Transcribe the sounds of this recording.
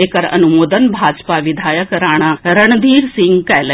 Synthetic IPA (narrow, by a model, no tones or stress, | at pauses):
ekəɾə̰nʊmoːd̪ənbʱaːd͡ʒpaːʋɪd̪ʱaːjəkəɾaːɽ̃aːɾəɳ̃d̪ʱiːɾsɪŋɡkɛːlə